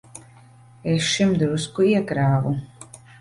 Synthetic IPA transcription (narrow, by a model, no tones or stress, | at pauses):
esʃimd̪ɾuskuiɛkɾaːvu